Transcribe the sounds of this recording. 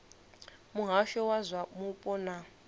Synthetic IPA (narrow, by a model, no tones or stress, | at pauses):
muɦaʃɔwazʷamupʼɔna